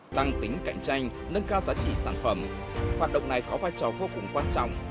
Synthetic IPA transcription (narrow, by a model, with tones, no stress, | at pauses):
t̪a˧ŋt̪ï˨˦ŋ̟ka̰˧˨jŋ̟t͡ɕa˧jŋ̟ | nə˧nkaː˧wzaː˨˦t͡ɕḭ˧˨saː˧˩nfə˧˩m | haː˨˩t̚ɗə̰˧˨wŋ͡mna˨˩jkɔ˨˦vaː˧jt͡ɕɔ˨˩vo˧kʊ˨˩ŋ͡mkwaː˧nt͡ɕɔ̰˧˨wŋ͡m